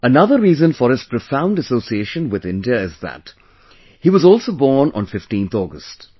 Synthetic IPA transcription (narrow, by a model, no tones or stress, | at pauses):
ənʌðəɾːiːzə̃nfɔɾɨz̥pɾofãʊ̃nɖəsoːsieʃə̃nwɪðɪ̃ndiəɪzðæ̰t | hiʋʌzɔːlˠsobɔːɾnɔ̰̃nfɪfʈĩːnθɔːɡəst